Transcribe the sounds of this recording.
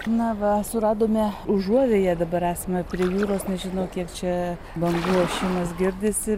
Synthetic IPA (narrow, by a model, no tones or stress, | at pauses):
nɐʋɐsʊrɑːd̪oːmʲeːʊʒuɔʋʲeːjɛd̪ɐbɐɾæːsɐmʲɛpʲɾʲiɛjuːɾoːsnʲɛʒʲɪnɐʊkʲiɛkt͡ʃʲɛ | bɐŋɡuːʃʲɛɪmɐsɡʲɪrʲd̪ʲɪsʲɪ